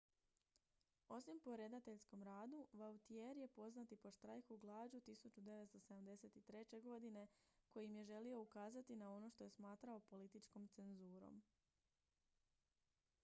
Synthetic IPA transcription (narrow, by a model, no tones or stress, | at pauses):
o̞simpo̞ɾe̞d̪at̪e̞ʎskomɾaːd̪uʋawt̪ieɾje̞po̞znat̪ipo̞ʃt̪ɾajxuɡlˠaːd͡ʒut̪isut͡ɕud̪e̞ʋe̞t̪st̪o̞se̞d̪amd̪e̞se̞t̪it̪ɾe̞t͡ɕe̞ɡo̞d̪ine̞ko̞jiimje̞ʒe̞lio̞ukaːzat̪inao̞no̞ʃt̪o̞je̞smaːt̪ɾao̞po̞lit̪it͡ʃko̞mt̪se̞nzuːɾo̞̰m